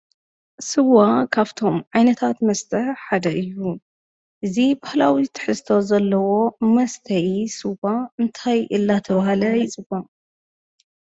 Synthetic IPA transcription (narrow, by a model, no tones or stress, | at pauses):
sɨwakʰaβt̪ʰo̞mʕajnɐt̪ʰat̪mɐst̪ʰɐħħad̪ɐʔɨjːu | ʔɨzibahlawit̪ʰːɨ̥ħɨst̪ʰo̞zɐlːɐwo̞mɐst̪ʰɐjisɨwaɨnt̪ʰajʔɨlːat̪ʰɐβahalɐjɪt͡sʼɨba